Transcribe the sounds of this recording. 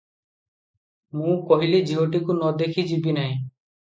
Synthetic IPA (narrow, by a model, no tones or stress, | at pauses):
mũkɔɦilid͡ʒiɦoʈ̬ikunɔd̪ekʰid͡ʒibinaj̃